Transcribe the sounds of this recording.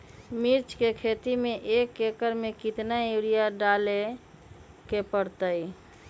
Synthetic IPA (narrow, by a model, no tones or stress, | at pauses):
miɾt͡ʃkekʰet̪imeʔekekəɾmekit̪naeɾijaɖale | kepəɽt̪əj